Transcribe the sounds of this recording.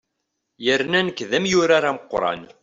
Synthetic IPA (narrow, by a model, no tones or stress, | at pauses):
jəɾnænəkːðæmjʊɾaɾaməqːɾˤɑ̰n